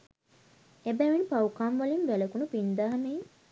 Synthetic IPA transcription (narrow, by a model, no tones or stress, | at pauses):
ebæʋinipawkamʋalinʋæləkunupind̪aɦanej